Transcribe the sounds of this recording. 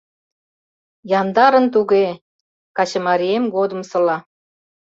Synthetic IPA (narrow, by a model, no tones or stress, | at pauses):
jɑnd̪ɑɾə̆nt̪uɣe | kɑt͡ɕə̆mɑɾiemɡod̪ə̆msɤ̆lɑ